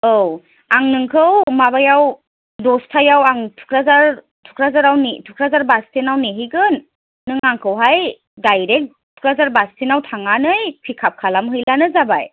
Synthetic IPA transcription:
ow | aŋnɯŋkʰɯwmabajaw | dɔstʰajawaŋtʰu̥kʰɾazaɾ | tʰu̥kʰɾazaɾawnitʰukʰɾazaɾbastʰinawneɦijɡɯnː | ɯŋaŋkʰɯwɦaj | dajɾek̚ | tʰu̥kʰɾazaɾbastʰinawtʰaŋanɯjpʰikʰap̚kʰalamɦɯjlanɯzabaj

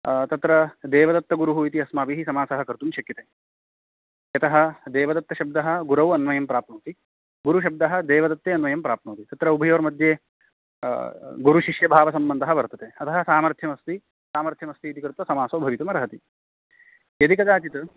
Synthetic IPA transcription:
t̪ɐt̪ɾɐd̪ɛːʋɐd̪ɐt̪ːɐɡuɾuɦuit̪iɐsmaːpiɦisɐmaːsɐɦɐkɐɾt̪umʃɐkjɐt̪eː | jɐt̪ɐɦɐ̆d̪ɛːʋɐd̪ɐt̪ːɐʃɐb̚d̪ɐɦɐ̆ɡuɾɐʋɐnʋɐjɐmpɾaːpɳuːt̪i | ɡuɾuʃ̬ɐb̚d̪ɐɦɐ̆d̪ɛːʋɐd̪ɐt̪ːeːɐnʋɐjɐmpɾaːp̚nuːt̪it̪ɐt̪ɾɐubʱɐjoːɾmɐd̪ʱjeː | ɡuɾuʃiʂjɐbʱaːʋɐsɐmbɐnd̪ʱɐɦɐ̆ʋɐɾt̪ɐt̪eːɐt̪ʰɐɦɐ̆saːmɐɾt̪ʰjɐmɐst̪i | saːmɐɾt̪ʰjɐmɐst̪iːt̪ikɾt̪ʋɐsɐmaːsoːbʱɐʋit̪ɐmɐɾɐɦɐt̪i | jɐd̪ikɐd̪aːt͡ʃit̪ɐ

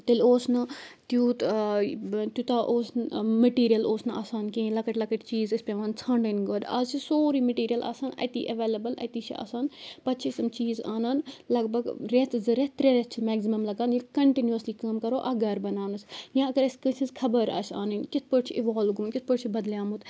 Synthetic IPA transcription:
t̪elʲoːsnɐt̪juːt̪ | t̪jut̪aːʔoːsmɐʈiːɾijɐloːsnɐʔa̰ːsaːnkẽːlɐkɐʈlɐkɐʈt͡ʃiːzɪspeʋãːnt͡sʰaːɳɖɐnɡoːd̪ɐ̰ːzt͡ʃʰisoːɾiːmɐʈiːɾijɐlʔa̰ːsaːnɐ̰t̪ḭːʔɐʋeːlɐbɐlɐ̰t̪iːt͡ʃʰḭa̰ːsaːnpɐtt͡ʃʰisɐmt͡ʃiːzaːnaːnlɐɡbɐɡɾet̪zɨɾet̪ɾeɾet̪t͡ʃʰimɛːɡzimɐmlɐɡaːnjikɐɳʈinjuɐsliːkɐːmkɐɾoːʔɐɡɐɾbɐnaːnɨsjãɐɡɐɾɐskɐsʰizkʰɐbɐɾɐ̰sa̰ːnɐnkɪt̪ʰpəʈt͡ʃʰiʔɪʋaːlɡunkʲɪt̪̚ʰpɐʈt͡ʃʰibɐd̪ljaːmut̪

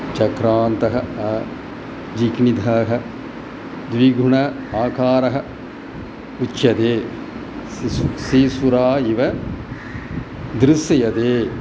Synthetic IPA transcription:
t͡ʃɐkɾaːnt̪ɐɦɐɐ | d͡ʒikɳid̪ʱaːɦɐ | d̪ʋiɡʱuɳɐ | aːkaːɾɐɦɐ̆ | ut͡ʃːjɐd̪eː | siːsuɾaːiʋɐ | d̪ɾɪsjɐjɐd̪eː

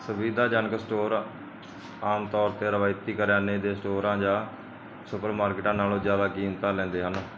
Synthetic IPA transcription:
səʋiːd̪aːd͡ʒaːnəksʈoːɾ | aːmt̪ɔːɾt̪eːɾəʋaːɪt̪iːkəɾjaːneːd̪eːsʈoːɾãːd͡ʒãː | sʊpəɾmaːɾkɪʈãːnaːlõːzjaːd̪aːkiːmt̪ãːlɛ̃ːnd̪eːɦən

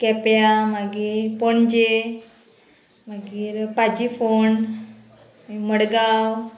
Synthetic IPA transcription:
kɛpjamaɡiːɾpoɳd͡ʑe | məɡiːɾpad͡ʑifon | iməɽɡaw

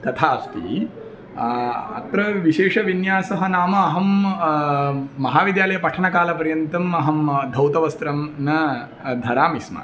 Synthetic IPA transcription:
t̪ɐt̪ʰaːɐst̪ḭ | ɐ̰t̪ɾɐʋiʃeːʂɐʋinjaːsɐɦɐnaːmɐːɦɐm | mɐɦaːʋid̪jaːlɐjɐpɐʈʰɐɳɐkaːlɐpɐɾjɐnt̪ɐmɐɦɐmd̪ʱɐwt̪ɐʋɐst̪ɾɐmnɐ | d̪ʱɐɾaːmisma̰

